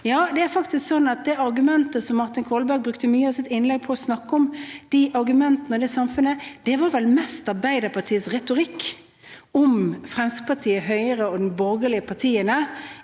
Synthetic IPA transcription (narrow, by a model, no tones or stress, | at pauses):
jɑːd̪ɛæɾfɑkt̪ɪsksɔnːɑt̪̚d̪ɛɑɾɡʉmɛnt̪əsɔmːɑɾt̪ɪnkʰɔlbæɾɡ̚bɾʉkt̪əmyːəɑsɪt̪ɪnlɛɡ̚pʰɔɔsnɑkːəɔmd̪̥iʔɑɾɡʉmɛnt̪ənəɔd̪ɛsɑmfʉnəd̪̥ɛʋɑɾʋɛlmɛst̪ɑɾbæɪd̪əpʰɑt̪ʰiːəsɾɛt̪ʊɾɪkː | ɔmfɾɛmsk̚pʰɑɾt̪ʰiːəɦœʏəɾəɔd̪nbɔɾɡəlɪəpʰɑʈʰiːənə